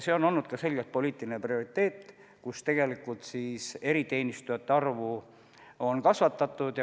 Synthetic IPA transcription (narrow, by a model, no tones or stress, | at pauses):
se̞ːono̞lnːud̪̥kɑse̞lɡ̥elt̪̚po̞liːt̪ːˑilineprio̞ɾit̪ːˑe̞ːt̪ːˑ | kust̪e̞ɡ̥e̞likult̪siːse̞ɾit̪e̞ːnʲist̪ujɑt̪ːeɑrvu | o̞nkɑsvɑt̪ːˑɑt̪ːˑud̪̥jɑ